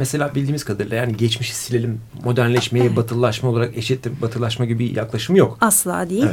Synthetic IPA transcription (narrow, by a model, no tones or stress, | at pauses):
mese̞lʲaːbilʲd̪iːmiz̥kʰad̪ɯɾld̪ˠajaːniɟɛt͡ʃmiʃi̥sːilʲe̞lʲim | mːo̞d̪æɾnlʲɛʃmejɛbat̪ʰɯlˠaʃmaolˠaɾakɛʃɛt̪ʰːimbat̪ʰɯlˠaʃmaɟibijaklˠaʃɯmjo̞kaslˠa̰ːd̪ijieɛ